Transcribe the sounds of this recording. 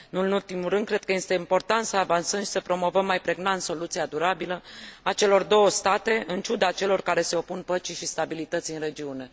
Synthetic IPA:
ɨnɨnult̪imulɾɨnd̪kɾe̞d̪̚kəje̞st̪e̞impo̞rt̪ant̪səavansəmʃi̥səpɾo̞mo̞vəmːajpɾe̞ɡnant̪so̞lut̪siad̪uɾabiləat͡ʃe̞lo̞rd̪o̞wəst̪at̪e̞ɨnt͡ʃud̪at͡ʃe̞lo̞rkaɾe̞se̞o̞punpət͡ʃiʃist̪abilit̪ət̪sʲiɨnre̞d͡ʒiune̞

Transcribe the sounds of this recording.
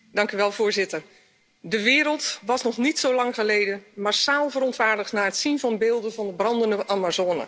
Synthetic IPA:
d̥ɑŋkyʋɛlˠvʊːɹzɪtər | dəʋɪːɾəlˠtʋɑsnɔχnitsowlɑŋχəlejdənmaɹsaːlˠvəɾɔntʋaːɹdəχtnaːətsinvɑnbeːlˠdənvɑndəbrɑndəndəʔamazoːnə̰

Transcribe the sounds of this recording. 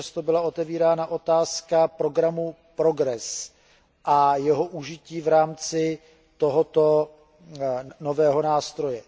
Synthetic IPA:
ast̪o̞bɪlao̞t̪ɛviːɾaːnaʔo̞t̪aːskapɾo̞ɡɾamu | pɾo̞ɡɾɛs | ʔajɛɦoʔuʒɪciːvɾaːmt͡sɪ | t̪o̞ɦo̞t̪o̞ | no̞vɛːɦo̞naːst̪ɾo̞jɛ

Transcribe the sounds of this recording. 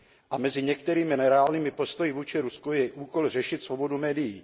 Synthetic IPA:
ʔamɛzɪɲɛkt̪ɛɾiːmɪnɛɾɛaːlniːmɪpo̞st̪o̞jɪvuːt͡ʃɪɾuskujɛʔuːko̞lrɛʃɪt̪svo̞bo̞dumɛːdɪji

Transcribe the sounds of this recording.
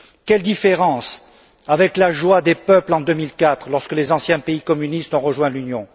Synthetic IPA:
kɛld̪ifeʁɑ̃s | avɛklaʒwad̪epœplɑ̃d̪ømilkat̪χlɔʁskəlezɑ̃sjɛ̃peikɔmynist̪ɔ̃ʁəʒwɛ̃lynjɔ̃

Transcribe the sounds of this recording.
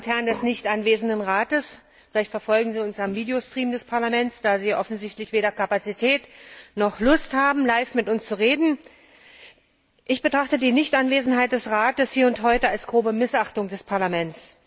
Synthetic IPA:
thɛɐndɛsnɪçtʔanveːzn̩dənʁaːtəs | fɪlaɪçtfɛɐfɔlɡŋ̩ziːʊnsamviːdeostʁ̥iːmdɛspʰaɐlamɛnt͡sd̥aːziːʔɔfn̩zɪçtlɪçv̥eːɾɐkʰapat͡sitʰɛːtnɔχlʊsthaːbm̩laɪfmɪtʔʊnst͡suʁ̞eːdn̩ | ʔɪçb̥ətʁ̥aχtədiːnɪçtʔanveːzn̩ɦaɪt̚d̥ɛsʁaːtəshiːɐʊnthɔʏtəalsɡ̥ʁoːbəmɪsʔaχtʊŋdɛspʰaɐlamɛnt͡s

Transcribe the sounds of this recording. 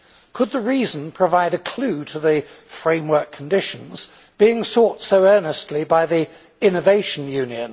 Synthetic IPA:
kʰəd̪̚ðəɹiːz̃n̩pʰɹ̥əvaɪɾɨkʰl̥ʉːɾʰəðɨfɹẽɪ̃mwɜ˞kʰə̃n̩dɪʃə̃nz̥ | b̥iɪ̃ŋsɔˑtsəʊɜ˞nəstʰˡlibaɪði | ɪ̃nəveɪʃə̃n̩jʉ̃njə̰̃n

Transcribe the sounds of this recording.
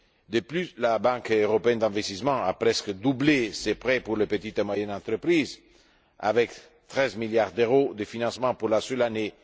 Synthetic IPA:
d̪əplyslabãŋkøʁopeɛnd̪ɛ̃vest̪ismɑ̃a̰pɾɛskd̪ublesepʁepuɾlepət̪it̪mwajɛnɑ̃nt̪ɾəpɾiz | a̰vɛk | t̪ʁɛzmiljaʁd̪eʁod̪əfinɑ̃smɑ̃puɾlasœlane

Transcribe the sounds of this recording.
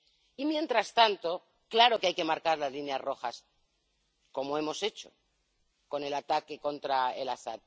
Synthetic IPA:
imjẽ̞nt̪ɾast̪ant̪o̞ | klaɾo̞keajke̞maɾkaɾlazlineazro̞xas | ko̞moe̞mo̞se̞t͡ʃo̞̰ | ko̞ne̞lat̪ake̞ko̞nt̪ɾaḛlaθa̰t̪̚

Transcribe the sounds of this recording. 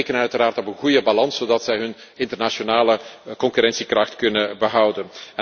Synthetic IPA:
kənəœɥtəɾaːrtɔpənɣujəbalɑnszodɑtsɛjɦɵnɪntərnaʃonaːləkɔŋkyɾɛnsikrɑxtkɵnəbəɦɑwdənɛ

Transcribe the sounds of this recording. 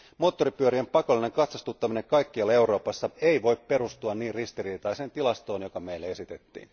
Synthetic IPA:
mo̞ːt̪ːo̞ɾipyøɾiempɑko̞lːine̞ŋkɑt̪sɑst̪ut̪ːɑmine̞ŋkɑjkːiɑle̞wɾo̞ːpɑsːɑeiʋo̞jippe̞ɾust̪uɑnniːrrist̪iriːt̪ɑise̞ːnt̪ilɑst̪o̞ːnjo̞kɑmeilːee̞sit̪e̞t̪ːḭːn

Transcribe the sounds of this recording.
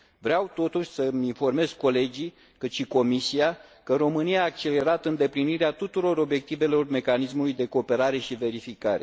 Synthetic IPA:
vɾeawt̪o̞t̪uʃʲsəminfo̞rme̞zko̞le̞d͡ʒi | kɨt̪ʃiko̞misiakəɾo̞mɨnijaːk̚t͡ʃe̞le̞ɾat̪ɨnd̪e̞pliniɾeat̪ut̪uɾo̞ɾo̞bje̞k̚t̪ive̞lo̞rme̞kanismulujd̪e̞ko̞ːpe̞ɾaɾe̞ʃive̞ɾifikaɾe̞

